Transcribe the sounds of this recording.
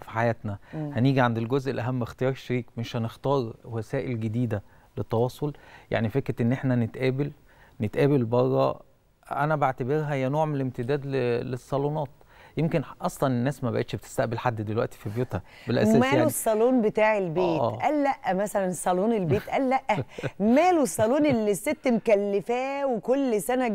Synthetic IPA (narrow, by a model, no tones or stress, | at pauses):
fi̥ħajæːt̪næhæniːɡiʕand̪elɡozʔelʔæɦæmːext̪ejɑːɾˤʃeɾiːkmeʃhænext̪ɑːɾˤwæsæːʔelɡed̪iːd̪æ | let̪ːɑwɑːsˤolja̰ʕnifekɾet̪ʔenːʔeħnænet̪ʔæːbel | net̪ʔæːbelbɑrˤːɑ̰ | ʔæ̰næbeʕt̪æbeɾɦæhejːænoːʕmenelemt̪ed̪æːd̪lelesˤːɑlunɑːt̪̚ | jemkenʔɑsˤlɑnenːæːsmæbæ̰ʔeːt̪ʃbet̪e̥st̪æʔbelħad̪ːd̪elwæʔt̪i̥fibjuːt̪hæ | belʔæ̰sæmæːlosˤːɑluːnbet̪aːʕelbeːʔt̪ːʔælːæʔʔːæmæsælænsˤːɑluːnelbeːt̪ʔælːæʔːæmæːloesˤːɑluːnelːisːet̪ːmkælːefæːwekolːsænæ